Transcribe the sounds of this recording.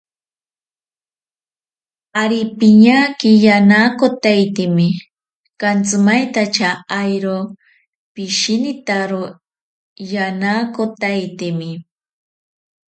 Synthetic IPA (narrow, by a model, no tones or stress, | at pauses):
aɾipɪɲakɪjanakot̪ajt̪ɪmɪ | kant͡sʊmajt̪at͡ʃaːjɾo | pɪʃinɪt̪aɾo | janakot̪ajt̪ɪmɪ